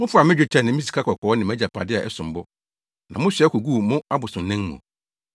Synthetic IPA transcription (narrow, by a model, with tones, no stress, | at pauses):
mʊ̃˦fʊ˦˨a˨mɪ̃˦d͡ʑᶣe˨˦tʰɛ˨nɪ̃˨mĩ˦si̥˨kʰa˦kʰɔ˨kʰɔ˨ɔ˦nɪ̃˨mæ̃˦d͡ʑa˨pʰa̰˨dɪ˦a˨ʔɛ̰˦sʊ̃˨m˨bɔ˦ | nã˨mʊ̃˦ɕɛ˦kʰo˨ɡu˦˨mʊ̃˦a˦bʊ˨sʊ̃˨nnːɪ̃˦mṵ̃˨